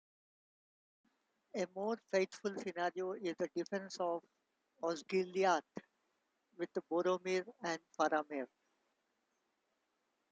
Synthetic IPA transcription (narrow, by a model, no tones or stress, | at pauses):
emoːɾfeːt̪fʊlsɪnaːɾioːɪzd̪əɖɪfɛ̃nsɔːʋ | ɔːsɡiliaːt̪ | ʋɪd̪boːɾoːmiɾɛ̃ɳɖfaɾaːmiːɾ